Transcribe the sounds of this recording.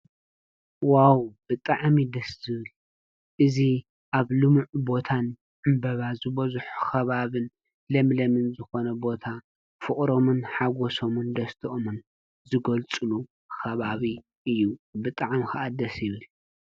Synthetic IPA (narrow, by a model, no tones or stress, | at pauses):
wawb̥ɨt̪ʼaʕmid̪ɐszɨβɨl | ʔɨzi | ʔaβlɨmuʕubo̞t̪ʰan | ʕɨmbɐβazɨbɐzħu̥xɐβaβɨn | lɐmlɐmɨnzɨxo̞nɐbo̞t̪ʰa | fɨχʼɾo̞mɨnħaɡoso̞mɨnd̪ɐst̪ʰiʔomɨn | zɨɡɐlt͡sʼɨlu | xɐβaβi | ʔɨjːubɨt̪ʼaʕmxɐʔad̪ɐsjɪβɨl